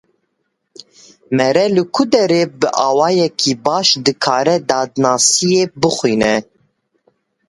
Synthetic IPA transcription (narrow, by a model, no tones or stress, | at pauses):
mɛɾɛlɨkʰud̪ɛɾeːbɨʔɑːwɑːjɛkʰibɑːʃd̪ɨkʰɑːɾɛd̪ɑːd̪nɑːsijebɨxʷiːnɛ